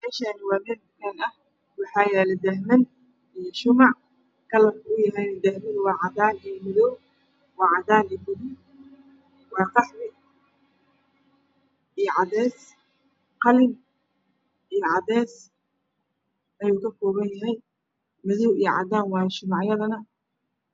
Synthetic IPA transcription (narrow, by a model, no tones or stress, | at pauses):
mɛːʃaːnɪwɑːmɛːlbɪnɛnɐh | wɑħɑːjɛːlɛd̪ɐɦmɐn | ʔijɔʃʊmɑʕ | kʰɐlɐbʊjɐɦɛjnɛd̪ɐhmɪnwɑːʕɑðaːnijɔmɐðɔw | wɑːʕɑd̪aːniːbʊðɪ | wɑːqɑħmɪ | ʔijʕɑðɛːs | qɑlɪm | ʔijɔʕɑðɛːs | ʔɐjuːkɐkʰɔːβɐnjɐɦɛj | mɐðɔwʔijɔʕɑ̰d̪aːnwɑːjɐʃʊmɑʕjɐðɐnɐ